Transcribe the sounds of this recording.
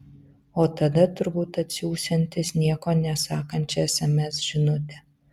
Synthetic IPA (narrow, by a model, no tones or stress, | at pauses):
oːt̪ɐd̪ɐt̪ʊɾbuːt̪ɐt̪ʲsʲuːsʲɛnʲt̪ʲɪsnʲiɛkoːnʲɛsɑːkɐnʲt͡ʃʲɛɛsʲɛmʲɛsʒ̥ʲɪnʊt̪ʲɪ